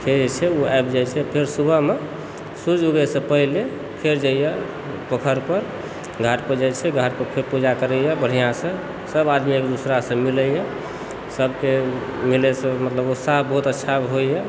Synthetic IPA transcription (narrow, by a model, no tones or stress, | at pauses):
kʰed͡ʒt͡ʃʰɛuajpd͡ʒajt͡ʃʰɛpʰeɾsubʱəɦme | suɾd͡ʒuɡɛsə̃pəɦile | pʰeɾd͡ʒaijɛ | pəkʰəɾpəɾ | ɡʱaʈpəd͡ʒat͡ʃʰɛɡʱaʈ̚pəɾpʰeɾpud͡ʒakəɾəjɛbəɽ̤ijãsə̃ | səbad̪mikd̪usɾasə̃miləje | səbkemilesə̃mət̪ləbosaɦbəɦut̪ətːʃʰaɦojjɛ